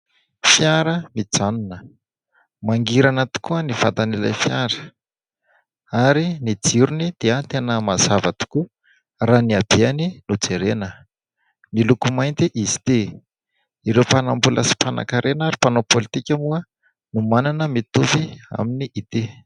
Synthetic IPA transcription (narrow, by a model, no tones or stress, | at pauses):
fjaɾəmid͡zanunə | maŋɡiɾanat̪u̥kuənifat̪anela̰fjaɾə̥ | aɾinid͡ziɾunid̪̥eat̪enəmazavat̪u̥ku | raniab̥eaninud͡zeɾenə | milukumajnt̪iʔizi̥t̪e | iɾewpanambula̰si̥pana̰kaɾʔenaɾipanopolit̪ikʲamuə | numananəmit̪uvia̰miniʔit̪e